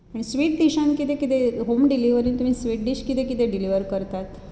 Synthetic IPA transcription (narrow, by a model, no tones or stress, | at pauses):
aɽ̃isʋiːʈ̚ɖiɕãnkit̪ekit̪eɦomɖiliʋəɾint̪um̤iːsʋiʈ̚ɖiɕkit̪ekit̪eɖiliʋəɾkəɾt̪at̪